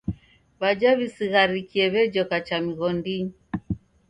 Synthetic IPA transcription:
βad͡ʒaβisiɣaɾikiɛβɛd͡ʒɔkat͡ʃamiɣɔndiɲi

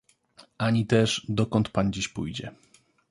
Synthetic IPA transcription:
aɲit̪ɛʐd̪ɔkɔnt̪pand͡ʑiɕpujd͡ʑɛ̰

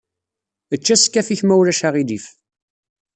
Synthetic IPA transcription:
ət͡ʃːæskːæθiçmæwɾæʃaʁid̪if

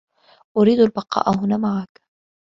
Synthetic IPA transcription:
ʔʊɾiːd̪albɑqɑ̰ːʔahʊnaːmaʕak

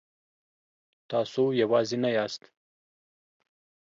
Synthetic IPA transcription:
t̪ɑsojawɑzenajɑst̪

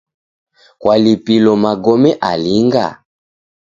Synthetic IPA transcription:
kwʔalipilɔmaɡɔmɛʔaliŋɡa̰

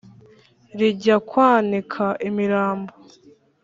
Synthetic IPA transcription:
ɾiɟakwaːnikʰaʔimiɾaːmbo

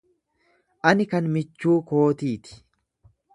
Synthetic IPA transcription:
ʔɐnɪkɐnmɪt͡ʃːuːko̞ːt̪iːt̪ɪ̥

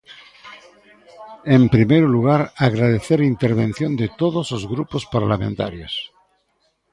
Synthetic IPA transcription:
empɾimejɾoluɣ̞aɾaɣɾað̞eθeɾint̪eɾβen̟θjond̪et̪oðosozɣɾupospaɾlamẽnt̪a̰ɾjos

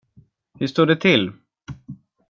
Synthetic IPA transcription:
hɵʂt̪uːɖɛt̪ʰɪlː

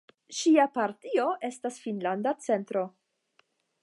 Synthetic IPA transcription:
ʃiapaɾtio̞ʔe̞stasfinlandat͡se̞ntɾo̞

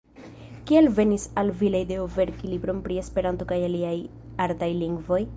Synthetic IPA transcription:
kielve̞nisalvilejde̞ove̞ɾkilibɾo̞npɾie̞spe̞ɾanto̞kajaliaj | aɾdajliŋɡvo̞j

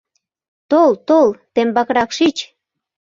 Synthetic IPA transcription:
t̪olt̪olt̪embɑkɾɑkʃit͡ɕ

